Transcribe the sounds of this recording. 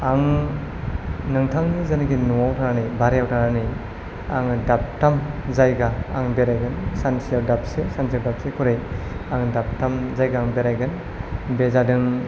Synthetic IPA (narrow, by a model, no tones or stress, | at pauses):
aŋ | nɯŋtʰaŋnizanɡinuawtʰaɾanɯjbaɾejawtʰaɾanɯj | a̰ŋdap̚tamzajɡaːŋbeɾajɡɯnsansiaɾdap̚sesansiaɾdap̚sekʰuɾɯjaŋdap̚tamzajɡaːŋbeɾajɡɯn | bezadɯŋ